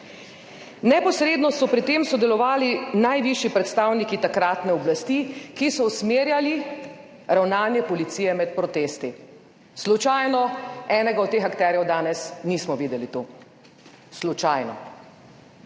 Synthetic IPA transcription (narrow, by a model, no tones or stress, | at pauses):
nɛpɔsɾeːd̪nɔsɔpɾit̪eːmsɔd̪ɛlɔʋaːlinajʋiʃjipɾɛt̪st̪aːwnikit̪akɾaːt̪nɛɔblast̪ikisɔusmeːɾjali | ɾawnaːnjɛpɔlit̪siːjɛmɛt̪̚pɾɔt̪eːst̪i | slut͡ʃajnɔɛːnɛɡaɔt̪ːeːxakt̪ɛɾjɛwd̪aːnɛsniːsmɔʋiːd̪ɛlit̪o | slut͡ʃajnɔ̰